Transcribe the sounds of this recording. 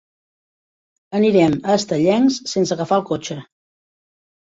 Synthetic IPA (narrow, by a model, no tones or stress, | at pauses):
əniɾɛməːst̪əʎɛŋsːensəɣəfaəlˠkot͡ʃə